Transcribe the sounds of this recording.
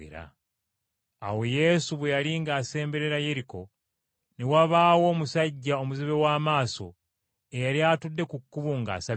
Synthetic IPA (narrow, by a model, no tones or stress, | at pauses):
ḛɾa̰ | a̰we̞je̞suβwe̞jaliŋɡaːse̞ːmbe̞ɾe̞ɾaje̞ɾiko̞ | newaβaːwo̞ːmusaɟːao̞muziβe̞waːmaːso̞̰ | ejaɾjatudːe̞kukːuβuŋɡa̰ːsa